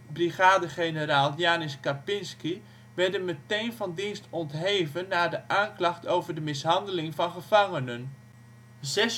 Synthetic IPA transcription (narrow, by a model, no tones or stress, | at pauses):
briɣaːdəχenəɾaːlˠjaːnɪskapɪnski | ʋɛɹdənmətejnvɑndinstɔntɦeːvənːaːdəʔaːŋklɑχtowvərdəmɪsɦɑndəlɪŋvɑnχəv̥ɑŋənən | zɛs